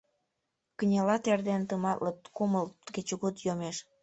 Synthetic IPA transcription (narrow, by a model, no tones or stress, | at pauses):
kənʲelɑt̪erd̪ent̪əmɑt̪lət̪kuməlt̪ɡet͡ɕuɣut̪jomeʃ